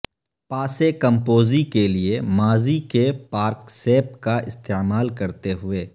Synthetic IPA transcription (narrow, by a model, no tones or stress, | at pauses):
paːsekɐ̃mpoːzikeliemaːzikepaːɾkseːpkaʔɪst̪eːmaːlkɐɾt̪eɦʊeː